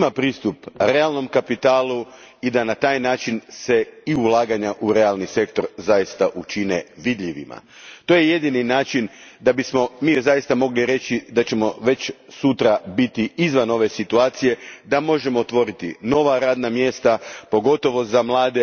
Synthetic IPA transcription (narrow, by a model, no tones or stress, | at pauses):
mapɾiːst̪upɾe̞alˠno̞mkapit̪aːlˠu | id̪anat̪aːjnaːt͡ʃinse̞iulˠaːɡaɲaʔuɾe̞alˠnise̞kt̪o̞ɾzajist̪aʔut͡ʃineʋid̪ʎiʋḭma̰ | t̪oːjejed̪ininaːt͡ʃind̪abismo̞miːjzajist̪amo̞ɡliɾe̞t͡ʃid̪at͡ɕe̞mo̞ʋe̞t͡ɕsut̪ɾabit̪iizʋano̞ʋe̞sit̪uaːt̪sije̞d̪amo̞ʒe̞moːt̪ʋo̞ɾit̪ḭno̞ʋaɾaːd̪namje̞st̪apo̞ɡo̞t̪o̞ʋo̞zamlˠaːd̪e